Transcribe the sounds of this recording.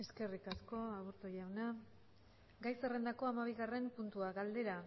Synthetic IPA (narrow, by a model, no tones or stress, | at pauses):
e̞ske̞rikasko̞aβuɾt̪oʎawna | ɡajsere̞nd̪ako̞amaβ̞iɣare̞mpunt̪uaɣald̪e̞ɾa